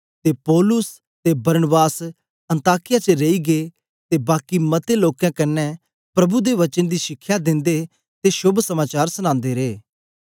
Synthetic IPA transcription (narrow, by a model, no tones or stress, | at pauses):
t̪epɔːlʊs | t̪ebɐɾnəbaːs | ɐ̃nt̪aːkɪjat͡ʃəɾeiɡeː | t̪ebaːkimɐt̪eloːkãkɐnːɛ | pɾɐbud̪eʋɐt͡ʃənd̪iːʃɪkʰːjad̪ɪ̃nd̪e | t̪eʃʊbʱsɐmaːt͡ʃaːɾsʊñãːnd̪eɾeː